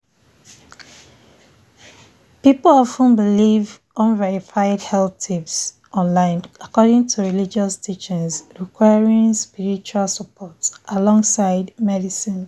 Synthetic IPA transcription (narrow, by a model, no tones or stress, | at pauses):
pipl̩ɔfə̃nbiliv | ʔʌ̃nvɛɹifaɪdhɛlθtʰips | ʔɔ̃nlãɪ̃nakɔdɪ̃ŋtʰuɹilid͡ʒɔstʰit͡ʃə̃nsɹikʰwaɪɹĩŋspiɹit͡ʃualˠsəpɔtsʔalɔ̃ŋsaɪdmɛdisĩn